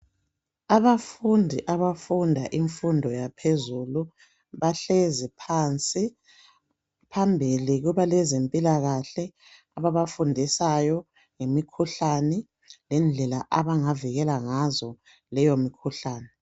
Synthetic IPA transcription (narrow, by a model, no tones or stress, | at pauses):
aβafundʱiʔaβafundʱaʔiɱfundʱɔjapʰezulu | βaɬezipʰant͡sʼi | pʰambʱiliɣuβalɛzempʼilaɣaɬɛ | aβaβafundʱisajɔ | ŋemikʰuɬanɛ | lɛnd͡ɮʱɛlaʔaβaŋaviɣɛlaŋazɔ | lɛjomikʰuɬaːnɛ